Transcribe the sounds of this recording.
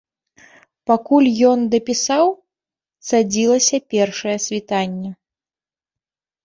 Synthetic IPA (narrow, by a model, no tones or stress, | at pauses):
pakulʲjɔnd̪ɐpʲisaw | sad͡zʲilˠɐsʲɐpʲɛrʂɐjɛsʲvʲit̪anʲːɛ